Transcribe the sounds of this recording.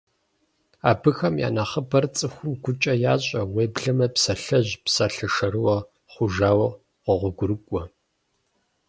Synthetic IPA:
aːbɨxɐmja̰ːnɐχəbɐrt͡sʼɨxʷʊmɡʷʊt͡ʃʼɐjaːɕʼɐweːbɮɨmɐpsɐɬɐʑpsaːɬɐʃɐɾɨwɐ | χʷʊʒaːwɐ | qʷɔʁʷʊɡʷʊɾɨkʷʼɔ

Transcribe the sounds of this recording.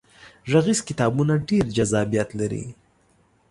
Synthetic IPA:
ʐaɣizkɪt̪ɑbunaɖeɾd͡ʒazɑbijat̪laɾḭ

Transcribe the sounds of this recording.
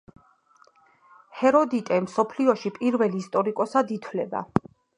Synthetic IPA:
hɛɾɔd̪it̪ʼɛmsɔpʰliɔʃipʼiɾvɛliːst̪ʼɔɾikʼɔsad̪it̪ʰwlɛba̰

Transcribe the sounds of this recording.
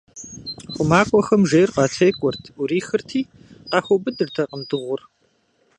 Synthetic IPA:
χʷʊmaːkʷʼɔxɐmʒejrqʼɑːtʰejkʷʼʊrtʰʊɾiːxɨrtʰiː | qɑːxʷɔbɨdɨrtʰɐqʼəmdɨʁʷʊr

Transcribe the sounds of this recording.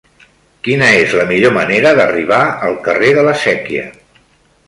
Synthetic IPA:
kinəezləmiʎoməneɾəðəriβ̞aəlˠkəreðələsɛkiə̰

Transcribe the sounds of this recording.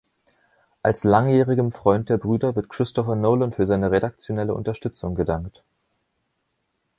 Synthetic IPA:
ʔalslaŋjɛːʁ̞ɪɡənfʁ̥ɔʏnt̚d̥eːɐbʁyːdɐvɪɐtkʁ̥ɪstɔfɐnoʊlənfyːɐzaɪnəʁeɾakt͡sjonɛləʔʊ̰ntɐʃtʏt͡sʊŋɡədaŋkt

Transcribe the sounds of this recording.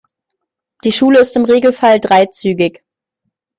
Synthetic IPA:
d̥iːʃuːləɪstɪmʁeːɡl̩faldʁaɪt͡syːɡɪç

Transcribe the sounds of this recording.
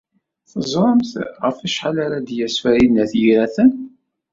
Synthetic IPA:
θəzˤɾˤəmθʁə̰fæʃħalaɾad̪jæsfæɾinːæθjiɾæθən

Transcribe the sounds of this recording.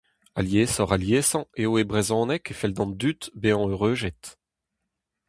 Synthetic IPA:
a̰ljeːsɔʁaljeːsɑ̃eoebʁezɔ̃ːnɛkefɛld̪ɑ̃nd̪yt̪beɑ̃øʁøːʒɛt̪

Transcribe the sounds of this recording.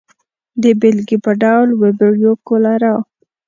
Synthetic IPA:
d̪əbelɡipəɖawlwebeɾjokolaɾɑw

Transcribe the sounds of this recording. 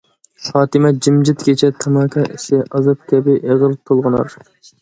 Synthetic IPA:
χɑːt̪ɨmɛd͡ʒɪmd͡ʒɪt̪kʲet͡ʃʰɛt̪ʰɑmɑkʰɑʔɪsɪʔɑzɑp̚t̪ʰʲɛbɪʔeʁəlˠt̪ʰolˠʁɨnɑ̰ɾ

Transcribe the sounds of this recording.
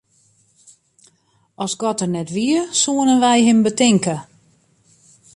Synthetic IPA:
ɔsɡɔtərnɛtʋiəsuənənʋɛjɦɪmbətɪŋkə

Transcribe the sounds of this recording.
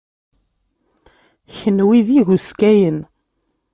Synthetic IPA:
çənwiðiʝuskæjən

